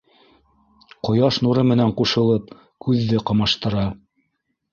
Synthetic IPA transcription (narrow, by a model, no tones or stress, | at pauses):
qŏjɑʃnuɾɤmɘ̆næɴquʃɤ̆lˠɤp̚ | kʉðːɘqɑ̆mɑʃt̪ɤ̆ɾɑ